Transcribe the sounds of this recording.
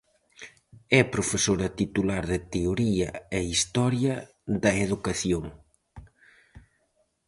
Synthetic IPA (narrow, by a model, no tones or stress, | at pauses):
ɛpɾofesoɾɐt̪it̪ulaɾðɪt̪eoɾiɐeist̪ɔɾjɐ | ðɐeðukɐθjoŋ